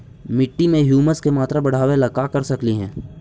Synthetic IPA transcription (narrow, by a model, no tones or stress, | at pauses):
mɪʈːimẽɦjuːməskemaːt̪ɾabɐɽ̤aːwelɐkakɐɾsɐkliɦɛ̰̃ː